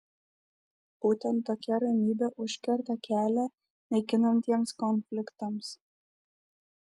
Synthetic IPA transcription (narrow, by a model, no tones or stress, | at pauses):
b̥ut̪ʲɛnt̪ːokʲɛɾɐnʲiːbʲɛʔuʃʲkʲɛɾt̪ʲɑkʲʰælʲɛ | nʲɛjkʲɪnɐnt̪ʲiɛmskonfʲlʲɪkt̪oms